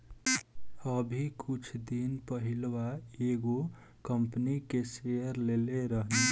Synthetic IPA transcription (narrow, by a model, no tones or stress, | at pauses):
əbʱikʰut͡ʃʰd̪inpəɦilwaeɡo | kəmpnikesejəɾleleɾəɦne